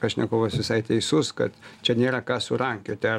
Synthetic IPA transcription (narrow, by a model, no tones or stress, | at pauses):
ɐʃʲnʲɛkoʊʋɐsʋʲɪsɐɪt̪ʲɛɪsʊskɐ̰t̪t͡ʃʲɛnʲeːɾɐkɑːsʊɾɐŋʲkʲʊt̪ʲɛ